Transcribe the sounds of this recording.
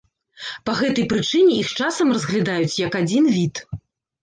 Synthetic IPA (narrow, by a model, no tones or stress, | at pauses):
pɐɣɛt̪ɐjpɾɨt͡ʂɨnʲɛixt͡ʂasɐmrɐzɣlʲad̪ajut͡sʲjɐkad͡zʲinvʲit̪